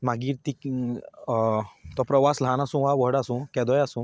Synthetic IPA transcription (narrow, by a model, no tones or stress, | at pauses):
maɡiːɾt̪ik | t̪ɔpɾəʋasl̤ãnasũːʋaʋəɦɽasũkɛ̃d̪ɔjasũ